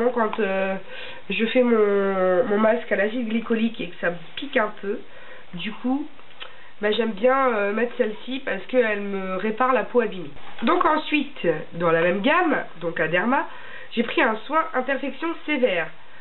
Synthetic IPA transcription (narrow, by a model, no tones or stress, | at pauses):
ɑ̃kɑ̃t̪ø | ʒəfɛmɔ̃mɔ̃maskalavilɡlikɔlikekə̥sa | pikɛ̃pʰø | d̪ykʰu | baʒɛmbjɛ̃ømɛt̪χsɛlsipaʁsə̥kəɛlməʁepaʁlapoabimid̪ɔ̃kɑ̃sɥit̪ | d̪ɑ̃lamɛmɡʲamd̪ɔ̃kad̪ɛʁma | ʒ̥epχiɛ̃swɛ̃ʔɛ̃t̪ɛʁfɛksjɔ̃sevɛːʁ